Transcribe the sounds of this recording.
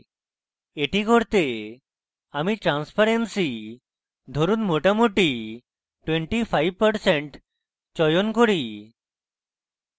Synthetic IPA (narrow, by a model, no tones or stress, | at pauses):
eʈikoɾt̪e | amiʈɾanspʰaɾensi | d̪ʱoɾunmoʈamoʈi | ʈweɳʈipʰajb̚pəɾseɳʈ | t͡ɕɔjonkoɾi